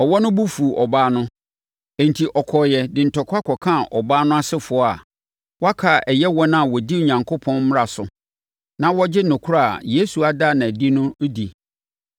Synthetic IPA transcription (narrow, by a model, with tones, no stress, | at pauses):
ɔ˨wɔ˦nʊ̃˦bu˦fu˨ʔɔ˨baː˦nʊ̃˦ | ẽ˨n˨tʰi˨ʔɔ˨kʰɔ˨jɛ˨dɪ˨n̩˨tʰɔ˨kʰʷa˦kʰɔ˨kʰã˦˨ʔɔ˨baː˦nʊ̃˦a˦sɪ˦fʊ˨˦ɔ˦a˨ | wɔ˦a˦kʰa˨ʔɛ˨jɛ˦wɔ̃˦nã˦˨wɔ˨di˦u˨ɲã˨ŋkʰo˦pʰɔ̃˦n˦m˦ɾa˨sʊ˨ | nã˨wɔ˦d͡ʑɪ˦nʊ̃˨kʰu˦ɾa˦˨a̰˨je˦su˨a˨da˦˨nã˨di˦nʊ̃˦di˨